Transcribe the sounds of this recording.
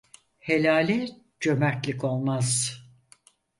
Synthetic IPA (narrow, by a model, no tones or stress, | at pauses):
helʲaːlʲɛ | d͡ʒø̞mæɾt̪lʲiko̞lˠmaz̥